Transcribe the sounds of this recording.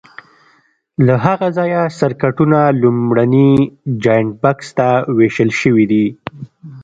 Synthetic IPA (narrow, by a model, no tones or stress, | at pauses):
laɦaɣazɑjasaɾkaʈunalumɽanid͡ʒɑjɳ̚bakst̪aweʃəlʃəwid̪i